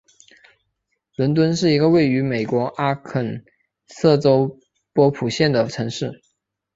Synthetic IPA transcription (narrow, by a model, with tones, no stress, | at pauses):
lwə˧˥nt̪̬wə˥nʂɻ̩˥˩i˧˥ɡə˧we˥˩ɪy˧˥me˨˩ɪkwɔ˧˥ʔa˥kʰə˨˩n | sɤ˥˩ʈ͡ʂo˥ʊ | pwɔ˥pʰu˨˩ɕjɛ˥˩nd̪ə˩ʈ͡ʂʰɤ˧˥ŋʂɻ̩˥˩